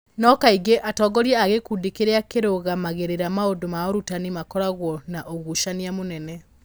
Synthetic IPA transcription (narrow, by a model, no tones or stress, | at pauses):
nɔkaiɡeʔatɔɡɔɾiɛaɣekudekeɾeakeɾoɣamaɣeɾeɾamaodomaoɾutanimakɔɾaɣwɔnaʔoɣuʃaniamonɛnɛ